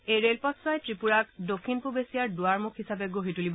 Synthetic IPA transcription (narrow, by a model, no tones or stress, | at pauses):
ejɹelpɔtsajtɹipuɹak̚dokʰːinpubesijaɹdʊaɹmukʰhisapɛɡoɦitulibɔ